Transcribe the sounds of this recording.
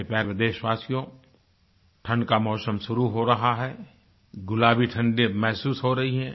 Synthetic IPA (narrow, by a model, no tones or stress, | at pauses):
epɛːpɪd̪eːʃʋaːsijõ | ʈʰə̃ɳɖkamɔːsəmʃʊɾuɦoɾɐɦaɦɛː | ɡʊlaːbʱiʈʰə̃ɳɖemɛɦsuːsɦoɾɐɦiɦɛ̃ː